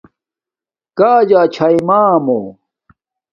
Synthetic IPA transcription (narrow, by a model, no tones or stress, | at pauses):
kaːd͡ʑaːt͡ɕʰaimaːmoː